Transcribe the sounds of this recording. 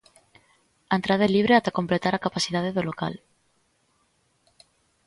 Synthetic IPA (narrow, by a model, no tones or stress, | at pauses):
ant̪ɾaðeliβ̞ɾeat̪ako̞mplet̪aɾakapasiðaðeðoloka̰l